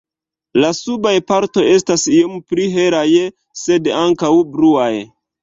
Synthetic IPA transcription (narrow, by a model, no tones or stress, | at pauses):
lasubajpaɾto̞je̞stasiompɾiɦe̞ɾaj | se̞daŋkawbɾuaj